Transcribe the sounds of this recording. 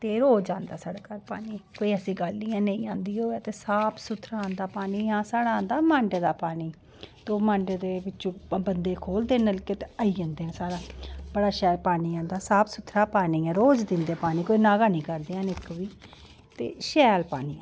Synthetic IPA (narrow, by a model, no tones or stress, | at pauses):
t̪eːɾoːd͡ʒãːnd̪aːsaːɽaːkaɾpaːniːkoːiːəsĩːɡəlːiːãːnə̃ĩːãːnd̪iːoːɛːt̪eːsaːpʰsʊt̪ʰːɾaãːnd̪aːpaːniːɦãːsaːɽaːnd̪aːmãːɳɖeːd̪aːpaːniː | t̪oːmãːɳɖed̪eːbɪt͡ʃːt͡ʃõːbənd̪eːkʰoːld̪eːnəlkeːt̪eəiːd͡ʒãːnd̪eːɛ̃ːsaːɽaːbəɽaːʃɛːlpaːniːãːnd̪aːsaːpʰsʊt̪ʰɾaːpaːniːɛːɾoːd͡ʒd̪ɪ̃nd̪eːpaːniːkoːiːnaːɡaːnĩːkəɾd̪eːãːnɪkʋiː | t̪ḛːʃɛːlpaːniːɛ